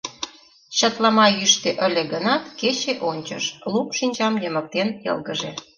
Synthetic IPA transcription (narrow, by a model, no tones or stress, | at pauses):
ɕə̆t̪lɑmɑjyʃt̪eʔə̆lʲeɣənɑt̪ket͡ɕeʔonʲt͡ɕə̰ʃlupʃinʲt͡ɕɑmjəmə̆k̚t̪enjə̰lɣəʒe